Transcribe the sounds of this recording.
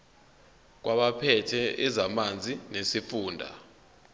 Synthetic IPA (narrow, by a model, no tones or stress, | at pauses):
k̬wʔaɓapʰɛtʰɛʔɛzamand͡zʱinesifuːndʱa̰